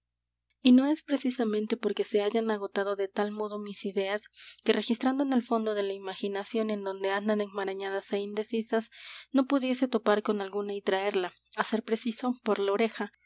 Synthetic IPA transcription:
ino̞e̞spɾe̞sisament̪e̞po̞ɾke̞se̞aʝanaɣ̞o̞t̪aðo̞ðe̞t̪almo̞ð̞o̞misiðe̞aske̞rʔe̞xist̪ɾand̪o̞ene̞lfo̞nd̪o̞ðe̞laimaxinasjo̞ne̞nd̪o̞nd̪e̞and̪aneŋmaɾaɲaðaseind̪e̞sisasno̞puðje̞se̞t̪o̞paɾko̞nalɣunait̪ɾae̞ɾla | ase̞ɾpɾe̞siso̞po̞ɾlao̞ɾe̞xa

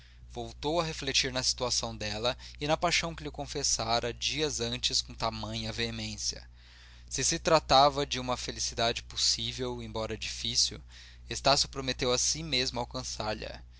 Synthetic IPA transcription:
v̥owt̪owɐɦeflet͡ʃiɾnɐsi̥t̪uasɐ̃w̃d̪ɛlɐɪnɐpajʃɐ̃w̃kɪlɪkõfesaɾʔɐd͡ʒiɐzɐ̃nt͡ʃɪskõt̪amɐ̃ɲ̃ɐveemẽsjɐ̰ | sɪsɪt̪ɾat̪avɐd͡ʒɪũmɐfelisid̪ad͡ʒɪposivewẽbɔɾɐɛd͡ʒifisṵw | est̪asjʊpɾomet̪ewɐsĩmezmʊawkɐ̃saɾʎɐ̰

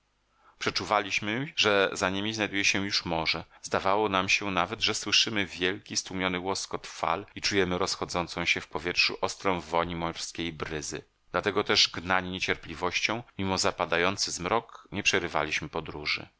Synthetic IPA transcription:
pʂɛt͡ʂuvalʲiɕmɘʐɛzaɲemʲiznajd̪ujɛɕɛjuʂmɔʐɛzd̪avawɔnamɕɛnavɛd̪ʐɛswɘʂɘmɘvʲjɛlkʲist̪wumʲjɔnɘwɔskɔt̪fa̰lit͡ʂujɛmɘɾɔsxɔd̪zɔnt̪sɔ̃w̃ɕɛfpɔvʲjɛtʂṵʔɔst̪ɾɔ̃w̃vɔɲimɔrskʲejbɾɘzɘ̰ | d̪lat̪ɛɡɔt̪ɛʐɡnaɲiɲet͡ɕɛɾplʲivɔɕt͡ɕɔ̃w̃mʲimɔzapad̪ajɔnt̪sɘzmɾɔkɲɛpʂɛɾɘva̰lʲiɕmɘpɔd̪ɾuʐɘ̰

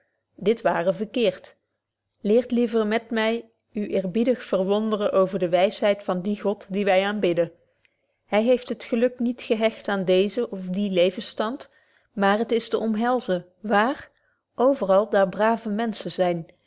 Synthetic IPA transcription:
dɪtʋaːrəvəɹkɪːɹt | lɪːɹtlivərmɛtmɛj | yʔɪːɹbidəχfərʋɔndərəʔowvəɹdəʋɛjsɦɛjtfɑndiχɔtdiʋɛjaːnbɪdə | ɦɛjɦejftɦətχəlɵknitχəɦɛxtaːndejzəʔɔfdilejvənstɑnt | maːɹɦətɪstəʔɔmɦɛlˠzə | ʋaːr | ʔowvərɑlˠdaːɹbraːvəmɛnsəzɛjn

